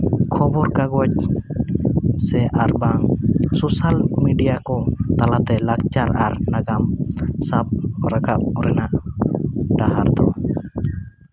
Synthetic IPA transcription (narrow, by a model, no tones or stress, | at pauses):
kʰɔbɔɾkaɡɔc̚ | sɛʔaɾbaŋsosalmiɖijakɔt̪alat̪ɛlakt͡ʃaɾaɾnaɡamsab̚ɾaɡap̚ɾɛnaʔ | ɖaɦaɾd̪ɔ